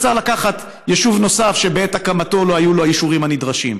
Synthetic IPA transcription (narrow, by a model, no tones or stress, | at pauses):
t͡saʁlakaχat | jeʃuvno̞safʃe̞beetakamato̞lo̞ajuloajiʃuʁimhanidʁaʃim